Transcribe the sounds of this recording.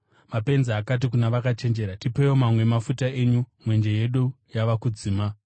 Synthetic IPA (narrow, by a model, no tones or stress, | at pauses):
mape̞nzeɦakat̬ikunaʋakat͡ʃe̞nd͡ʒe̞ɾatipeomamwe̞mafutae̞ɲumwe̞nd͡ʒe̞je̞ɗu | jaʋakud͡ziːma